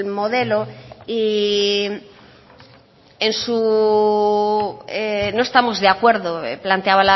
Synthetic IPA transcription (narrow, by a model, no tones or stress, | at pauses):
mo̞ð̞e̞loi | ensu | eno̞est̪amo̞zðeakwe̞ɾðoplant̪eaβala